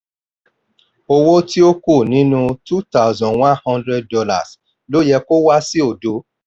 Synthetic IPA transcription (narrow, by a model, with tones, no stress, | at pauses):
o˧wo˦ti˦o˦ko˦˨nĩ˨˦nũ˧tu˦ta˦˨zɔ̃˨wɔ̃˦hɔ̃˧ndɾɛ˧d̚dɔ˧la̰˨s | lo˨˦jɛ˧ko˦wa˦si˦o˦˨do˨˦